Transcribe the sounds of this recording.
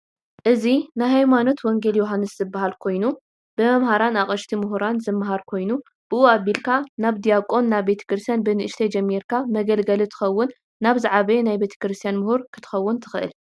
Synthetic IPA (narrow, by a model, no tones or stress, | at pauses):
ʔɨzinajhajmano̞t̪wɔŋɡe̞ljoɦanːɨszɨbːaɦalkʰo̞jnu | b̥ɨmɐmhaɾanaχʼɐʃt̪ʰimʊɦuɾanzɨmːɦaɾkʰo̞jnu | b̥ɨʔuaβilkʰanaβd̪ijakʼo̞nːaβːe̞t̪ʰɐ̥kɾɨst̪ijanbɨnɨʔɨʃt̪ʰɐjd͡ʒɐmːiɾkʰamɐɡɐlɡɐlit̪ʰɨ̥xɐwːʊnː | aβzaʕaβɐjenajbe̞t̪ʰɐ̥kɾɨst̪ʰijanmʊhuɾkʰɨt̪ʰɨ̥xɐwːʊnt̪ʰɨ̥xɨʔɨ̰l